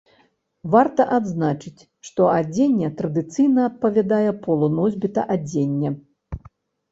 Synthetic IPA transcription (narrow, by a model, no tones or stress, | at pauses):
vart̪ɐʔad̪znat͡ʂɨt͡sʲ | ʂt̪ɔad͡zʲenʲːɛt̪ɾɐd̪ɨt̪sɨjnɐːt̪̚pɐvʲad̪ajɛpɔlˠɔnɔzʲbʲit̪ɐ̰ʔad͡zʲenʲːɛ